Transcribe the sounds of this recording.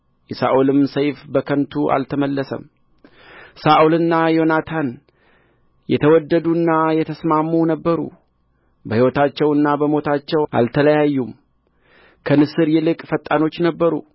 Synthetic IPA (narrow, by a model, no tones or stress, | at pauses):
jɛsaʔulɨmsəjfbəkʰənt̪ʰuʔa̰lt̪ʰəməlːəsə̰m | saʔulɨnːajo̞nat̪ʰan | jɛt̪ʰəwɔd̪ːəd̪unːajɛt̪ʰəsmamːunəbːəɾṵ | bəhiwɔt̪at͡ʃːɛwɨnːabəmo̞t̪ʰat͡ʃːɛwa̰lt̪ʰələjajːum | kʰənɨsɨɾjɛlɨkʼfət̪ʼːano̞t͡ʃːnəbːəɾṵ